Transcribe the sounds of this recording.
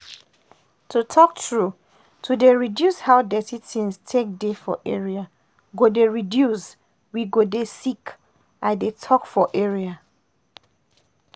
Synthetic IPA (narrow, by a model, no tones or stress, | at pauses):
tʰutʰɔk̚tɹu | tʰudeɹidjushaʊdɛtitʰĩnstʰek̚defɔ̰ʔɛɹia | ɡodeɹidjus | wiɡodesik | aɪdetʰɔkfɔʔɛɹia